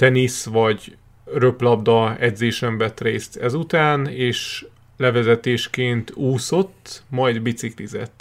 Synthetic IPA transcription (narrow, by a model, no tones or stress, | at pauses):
t̪ɛnisʋɒɟ | rø̞plɒb̚d̪ɒɛd̪zeːʃɛɱvɛt̪reːst̪ɛzut̪aːneːʃ | lɛvɛzɛt̪eːʃkeːnt̪uːso̞t̪ːmɒjd̪bit̪siklizɛ̰t̪ː